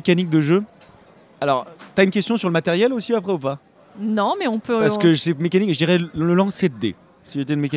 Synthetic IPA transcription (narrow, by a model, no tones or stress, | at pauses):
ekanik̚d̪əʒø | alɔʁt̪yaynkʲɛst̪jɔ̃syʁləmat̪eʁjɛlosiapχɛupa | nɔ̃mɛɔ̃pøpaʁsəkəʒəsemekanikʒəd̪iʁɛləlɑ̃sɛt̪̚d̪ḛ | siʒət̪ɛynmeka